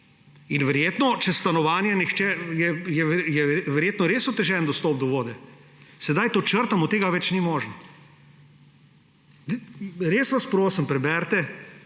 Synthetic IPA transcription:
inʋɛɾjeːt̪nɔt͡ʃɛst̪anɔʋaːnjɛnixt͡ʃɛjɛjɛjɛʋɛɾjeːt̪nɔɾeːsɔt̪ːɛʒɛnd̪ɔst̪oːp̚d̪ɔʋoːd̪ɛ | sɛd̪ajt̪ot͡ʃəɾt̪amut̪eːɡaʋɛt͡ʃnimoːʒn̩ | ɾeːsʋaspɾoːsimpɾɛbɛɾt̪ɛ

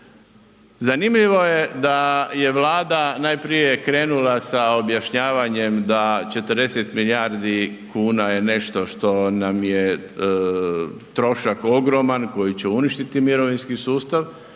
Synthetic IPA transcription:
zanimʎiʋo̞jed̪aje̞ʋlˠaːd̪anajpɾije̞kɾe̞ːnulasao̞bjaʃɲaːʋaɲe̞md̪at͡ʃe̞t̪əɾd̪e̞set̪milijaɾd̪i | kʰuːnaje̞ne̞ʃt̪o̞ʃt̪o̞namje | t̪ɾo̞ʃako̞ɡɾo̞manko̞jit͡ɕeuniʃt̪it̪imiɾo̞ʋinskisuːst̪aʋ

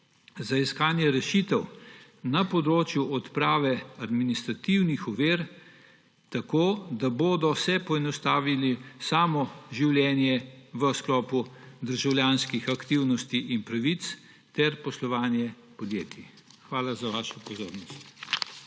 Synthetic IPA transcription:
zaiskaːnjɛɾɛʃit̪ɛw | napɔd̪ɾoːt͡ʃjuɔt̪pɾaːʋɛad̪minist̪ɾat̪iwnixɔʋeːɾ | t̪akoːd̪aboːd̪ɔsɛpɔɛnɔst̪aːʋilisaːmɔʒiwlʲjɛːnjɛʋəsklɔːpud̪əɾʒawlʲjaːnskixakt̪iwnɔst̪iʔinpɾaʋit̪s | t̪ɛɾpɔslɔʋaːnjɛ | pɔd̪jeːt̪ʰi | xʋaːlazaʋaːʃɔpɔzo̰ːɾnɔst̪

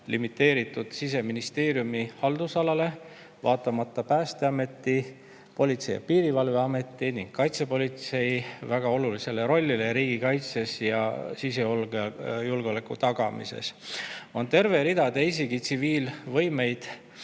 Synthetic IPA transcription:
limit̪ːe̞ːɾit̪ːˑud̪̥sis̬e̞minist̪e̞ːɾjumihɑld̪̥usɑlɑle̞ | vɑːt̪ːˑɑmɑt̪ˑːɑpæːst̪e̞ɑme̞t̪ːi | po̞lʲit̪sejɑ̰piːɾivɑlveɑme̞t̪ːˑiniŋɡkːɑjt̪sepo̞lit̪se̞jvæɡ̥ɑo̞lulise̞le̞ɾo̞lʲːileɾiːɡ̥ikɑjt̪se̞sjɑ̰sis̬e̞olɡejulɡeo̞lekːˑut̪ɑɡ̥ɑmḭse̞̰so̞nt̪e̞rveɾid̪ɑd̪eis̬iɡ̥it̪siviːlvɤ̞jme̞jd̪̥

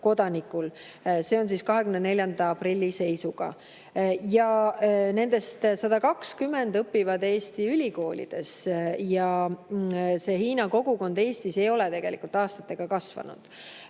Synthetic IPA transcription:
ko̞d̪̥ɑnikːul | se̞o̞ns̬iːskɑɦe̞kymnene̞lʲjɑnd̪ɑɑprilʲːise̞jsuɡ̥ɑ̰ | jɑne̞nd̪̥e̞st̪sɑd̪̥ɑkɑkskymːe̞nd̪ɤpːivɑd̪e̞ːst̪iylʲiko̞ːlʲḭd̪̥e̞sjɑ | se̞ɦiːnɑko̞ɡ̥uko̞nd̪e̞ːst̪ise̞jo̞le̞t̪e̞ɡ̥e̞lḭkult̪ˑɑːst̪ɑt̪ːˑe̞ɡ̥ɑkɑsv̥ɑ̰nṵd̪̥

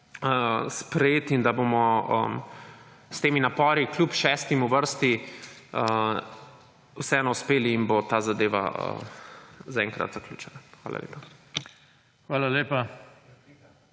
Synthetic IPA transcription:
əspɾɛjeːt̪ind̪abomɔə̰m | st̪eːminapɔːɾiklʲupʃɛːst̪imuʋəɾst̪iə | usɛɛnɔuspeːliːnbot̪aːzad̪eːʋa̰ə̰ | zaɛŋkɾa̰t̪zaklʲuːt͡ʃɛnaxʋaːla̰lḛːpa | xʋaːlaleːpa

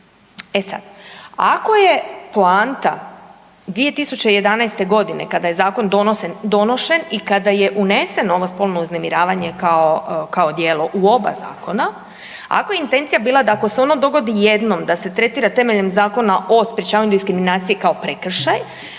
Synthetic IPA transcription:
e̞sa̰d̪a̰ko̞je̞plaːnt̪a̰ | d̪ʋije̞t̪isut͡ɕeije̞d̪anajst̪e̞ɡo̞d̪ine̞̰kad̪aje̞zaːko̞nd̪onosend̪o̞no̞ʃenikad̪aje̞ʔune̞se̞no̞ʋospo̞lˠno̞uznemiɾaːʋaɲe̞kaokao̞d̪jeːloʔuo̞ba̰za̰ːko̞na | a̰ko̞jeint̪e̞nt̪sijabiːlad̪aːko̞seo̞nad̪o̞ɡo̞d̪ijed̪no̞md̪ase̞t̪ɾe̞t̪iːɾat̪e̞meʎe̞mzaːko̞naʔo̞spɾjet͡ʃaːʋaɲud̪iskɾiminaːt̪sije̞kao̞pɾekr̩ʃaj

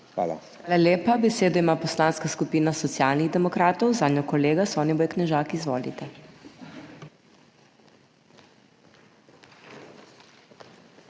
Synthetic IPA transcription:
xʋa̰ːla̰xʋaːlaljeːpabɛseːd̪ɔimaːpɔslaːnskaskupiːnasɔt̪sjaːlniɣd̪ɛmɔkɾaːt̪ɔwzaːd̪njɔkɔleːɡasɔːniʋɔːjknɛʒaːkizʋɔ̰ːlḭt̪ɛ

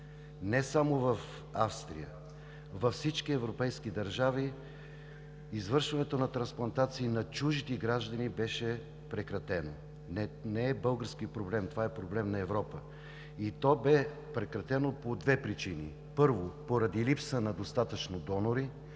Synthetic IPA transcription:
nɛsamovɐf | afst̪ɾḭjə | vɐfsit͡ʃkiɛvɾopɛjskid̪ɐɾʒavi | izvɤɾʃvɐnɛt̪onɐt̪ɾɐ̃nsplˠɐnt̪at̪siːnɐt͡ʃuʒit̪ɛɡɾaʒd̪ənibɛʃɛ | pɾɛkɾɐt̪ɛno | nɛnɛːbɤlˠɡəɾsk̟ipɾoblɛmt̪ovaɛpɾoblɛmnɐɛvɾɔpə | it̪ɔbɛ | pɾɛkɾɐt̪ɛnopod̪vɛpɾit͡ʃinḭ | pɤɾvopoɾɐd̪ilipsənɐd̪ost̪at̪ət͡ʃnod̪ɔnoɾi

